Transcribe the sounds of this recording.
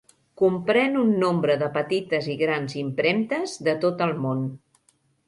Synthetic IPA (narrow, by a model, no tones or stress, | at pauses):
kumpɾɛnunːombɾəðəpət̪it̪əziɣɾanzimpɾɛmt̪əzðət̪ot̪əlˠmon